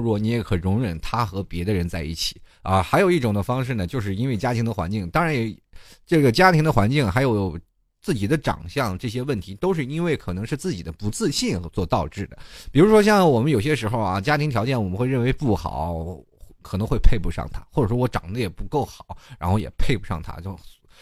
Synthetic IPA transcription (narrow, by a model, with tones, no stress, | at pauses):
u˥ɔ˧˩ni˧˥jɛ˧˥kʰɤ˨˩ɻʊ˧˥ŋɻə˨˩nt̪ʰa˥xɤ˧˥pjɛ˧˥d̪ə˧ɻə˧˥nt͡sa˥˧ɪḭ˥˩t͡ɕʰi̥˨˩ɐ˥˧xa˧˥ɪjo˨˩ʊi˥˩ʈ͡ʂʊ˨˩ŋd̪ə˦fɑ˥ŋʂɻ̩˥˩nə˩t͡ɕjo˥˧ʊʂ̬ɻ̩˥˩i˥nwe˥˩ɪt͡ɕja˥t̪ʰi˧˥ŋd̪ə˧xwa̰˧˥nt͡ɕi˥˩ŋt̪ɑ˥ŋɻa˧˥njɛ˨˧˩ʈ͡ʂɤ˥˩ɡə˩t͡ɕja˥t̪ʰi˧˥ŋd̪ə˧xwa̰˧˥nt͡ɕi˥˩ŋxa˧˥ɪjo˧˥ʊo˨˩ʊ | t͡sɹ̩˥˩t͡ɕi˨˩d̪ə˦ʈ͡ʂɑ̰˨˩ŋɕjɑ˥˧ŋʈ͡ʂɤ˥˩ɕ̬jɛ˥wə˥˩nt̪ʰi˧˥t̪o˥ʊʂ̬ɻ̩˥˧i˥nwe˥˩ɪkʰɤ˨˩nɤ˧˥ŋʂɻ̩˥˧t͡sɹ̩˥˩t͡ɕi˨˩d̪ə˦pu˧˥t͡sɹ̩˥˧ɕi˥˩n˧˥t͡swɔ˥˧t̪ɑ˥˧ʊʈ͡ʂɻ̩˥˩d̪ə̰˩pi˨˩ɻu˧˥ʂwɔ˥ɕ̬jɑ˥˩ŋwɔ˨˩mə˦njo˨˩ʊɕ̬jɛ˥ʂɻ̩˧˥xo˧ʊɐ̰˧˩t͡ɕja˥t̪ʰi˧˥ŋt̪jɑ˧˥ʊt͡ɕjɛ˥˩nwɔ˨˩mə˦nxwe˥˧ɪɻə˥˩nwe˧˥ɪpu˥˩xɑ̰˨˩˦ʊ | kʰɤ˨˩nɤ˧˥ŋxwe˥˧ɪpʰe˥˧ɪpu˧ʂɑ̰˥˩ŋt̪ʰa˥xwɔ˥˩ʈ͡ʂɤ˨˩ʂwɔ˥wɔ˧˥ʈ͡ʂɑ̰˨˩ŋd̪ə˦jɛ˨˩pu˧˥ko˥˩ʊxɑ˨˩˦ʊɻa˧˥nxo˥˩ʊjɛ̰˨˩pʰe˥˩ɪpu˧˥ʂɑ̰˥˩ŋt̪ʰa̰˥t͡ɕjo˥˩ʊ